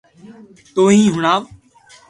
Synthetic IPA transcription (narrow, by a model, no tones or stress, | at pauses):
t̪oːɦĩːɦʊɳaːʋ